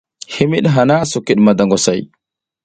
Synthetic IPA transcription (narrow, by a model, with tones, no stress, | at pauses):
hi˦mi˦ɗɦa˨na˦su˨ki˨ɗma˨da˨ŋɡo˨sa˨j